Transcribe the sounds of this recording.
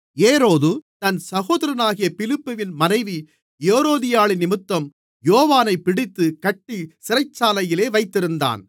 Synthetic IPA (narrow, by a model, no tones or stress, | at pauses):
eːɾoːðɯt̪ɐnsɐɣoːðɐɾɐnaːɣɪjɐpɪlɪpːɯʋɪnmɐnɐɪʋi | jeːɾoːðɪjaːɭɪnɪmɯt̪ːɐm | joːʋaːnɐɪpːɪɽɪt̪ːɯkɐʈːisɪɾɐɪt͡ʃːaːlɐjɪleːʋɐɪt̪ːɪɾɯnd̪a̰ːn